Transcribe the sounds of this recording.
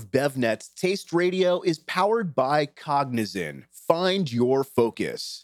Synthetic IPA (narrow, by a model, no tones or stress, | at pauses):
vbɛvnɛtstʰeɪst̚ɹeɪɾioʊʔɪz̥pʰaʊə˞d̚baɪkʰɑɡ̚nɨzɪ̰̃n | fãɪ̃ndjə˞foʊkɨ̰s